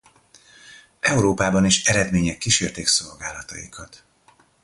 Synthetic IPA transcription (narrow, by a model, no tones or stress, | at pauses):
ɛuɾoːpaːbɒniʃɛɾɛd̪meːɲɛkːiʃeːrt̪eːkso̞lɡaːlɒt̪ɒ̰ikʰɒt̪